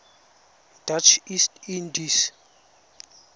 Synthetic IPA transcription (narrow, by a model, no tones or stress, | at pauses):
d̥at͡ʃʰistindis